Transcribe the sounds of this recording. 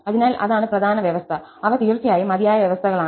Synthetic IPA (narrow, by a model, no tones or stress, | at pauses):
ɐðinaːlʔɐ̰ðaːɳɨprɐd̪ʱaːnɐʋjɐʋɐst̪ʰɐ | ɐʋɐt̪iːrt̪ːijaːjimɐd̪jaːjɐʋjɐʋɐst̪ʰɐɣɐɭaː